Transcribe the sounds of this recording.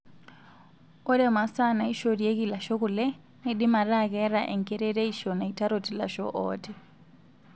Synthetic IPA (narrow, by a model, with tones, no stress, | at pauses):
ɔ˦ɾɛ˦ma˨sa˦na˨i˦ʃɔ˦ɾie˦kila˨ʃɔ˦ɣulɛ˦ | niɗi˦ma˨ɾaɣɛɾaʔɛ˨ŋɡɛ˦ɾɛ˦ɾe˦iʃɔna˨ita˦ɾɔti˦la̰˨ʃɔ̰ʔɔ̰ːtʰɛ